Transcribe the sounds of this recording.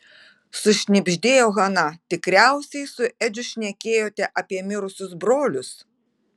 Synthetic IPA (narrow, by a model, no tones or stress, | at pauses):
sʊʃʲnʲɪbʲʒʲd̪ʲeːjoːɣɐnɐt̪ʲɪkɾʲæʊsʲɛɪsʊʔɛd͡ʒʲʊʃʲnʲɛkʲeːjoːt̪ʲɛʔɐpʲiɛmʲɪɾʊsʲʊsbɾoːlʲʊs